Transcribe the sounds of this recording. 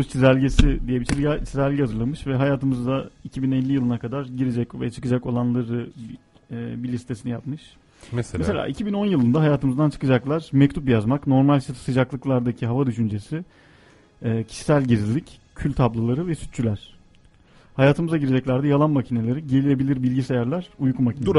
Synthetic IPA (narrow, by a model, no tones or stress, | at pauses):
t͡ʃʰizælʲɟesid̪ijebit͡ʃit͡ʃʰizælʲɟɛhazɯɾlˠamɯʃvɛɦajaːt̪ʰɯmɯzaicʰibinɛlʲːijɯlˠɯnakʰad̪aɾɟiɾed͡ʒɛcvɛ̰t͡ʃʰɯ̥kɯd͡ʒako̞lˠanlˠaɾɯː | bilʲist̪ʰe̞sinijapmɯʃ | msɛselʲa̰ːʔicʰibino̞njɯlˠɯnd̪aɦajaːt̪ɯmɯzd̪ant͡ʃʰɯ̥kɯd͡ʒaklˠaɾ̥mɛct̪ʰupjazmakno̞ɾmalʲt͡ʃsɯd͡ʒaklˠɯklˠaɾd̪acʰiɦavad̪yʃynd͡ʒesi | cʰi̥ʃi̥sælʲɟiɾlʲic | cʰylʲt̪ʰablˠɯlˠaɾɯvɛsy̥t̪̚t͡ʃʰylʲæɾ̥ | hajaːt̪ʰɯmɯzaɟiɾed͡ʒɛclʲæɾd̪ɛjalˠanmacʰine̞lʲeɾiɟe̞lʲije̞bilʲiɾbilʲɟisejæɾlʲæɾ̥ujkʰumacine